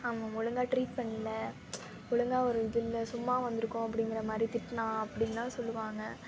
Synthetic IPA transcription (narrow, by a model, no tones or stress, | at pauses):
aːmɐ̃mʊɻɯŋɡaːʈɾiːʈ̚pɐɳːɪlɐ | mʊɻɯŋɡaːɔɾɯɪðɪlːɐsʊmːaːʋɐnd̪ɯɾɯkːʊ̃ɐpːɐɽɪŋɡɪɾɐmaːd̪ɾit̪ɪʈːɐnãːɐpːɐɽɪnːãːsɔlːɯʋaːŋɡɐ